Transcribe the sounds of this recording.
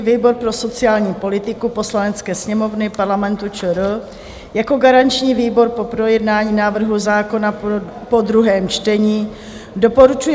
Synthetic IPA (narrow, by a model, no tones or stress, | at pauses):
viːbo̞ɾpɾoso̞t͡sɪaːlɲiːpo̞lɪt̪ɪkupo̞slanɛt͡skɛːsɲɛmo̞vnɪpaɾlamɛnt̪ut͡ʃəɾ | jako̞ɡaɾant͡ʃɲiːviːbo̞ɾpo̞pɾo̞jɛdnaːɲiːnaːvr̩ɦuzaːko̞na | po̞d̪ɾuɦɛːmt͡ʃt̪ɛɲiː | do̞po̞ɾut͡ʃuj